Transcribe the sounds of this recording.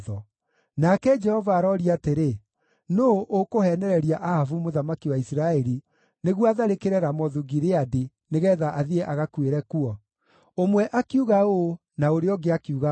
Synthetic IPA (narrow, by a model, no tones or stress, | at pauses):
ðɔ | nakɛd͡ʒɛhɔvaːɾɔɾiateɾe | noʔokohɛnɛɾɛɾiaʔahavumoðamakiwaisɾaɛɾi | neɣwaðaɾekeɾɛɾamɔðuɣiɾeadi | neɣɛːðaʔaðiɛʔaɣakweɾɛkuɔ | omwɛʔakiuɣao | naoɾeɔɡeakiuɣa